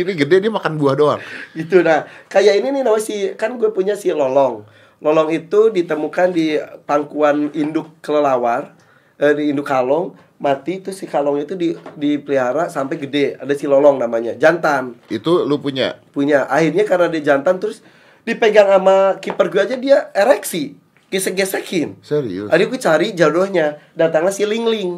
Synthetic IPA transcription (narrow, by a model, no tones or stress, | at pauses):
iniɡədediamakanbuahdoa̰ŋɡit̪unahkajaininɪhnamasɪkanɡuapuɲasɪhlɔlɔŋ | lɔlɔŋit̪udit̪əmukandipaŋkuanindʊkːələlawar | ədiːndʊkhalɔŋ | mat̪it̪ɾʊsɪkalɔŋɲait̪udidipəliɦaɾasampajɡədɛadasilɔlɔŋnamaɲad͡ʒant̪anit̪ulupuɲa̰puɲaʔahirɲakarənadiad͡ʒant̪ant̪ɾʊs | dipəɡaŋamakipərɡuad͡ʒadiaeɾɛksi | ɡesəɡɛsəkʰɪnsəɾḭʔadikut͡ʃaɾid͡ʒadɔhɲadat̪aŋlasiliŋlɪŋ